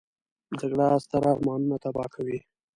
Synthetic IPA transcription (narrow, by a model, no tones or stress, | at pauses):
d͡ʒaɡɽast̪aɾɑːɾmɑnunat̪abɑkʰawi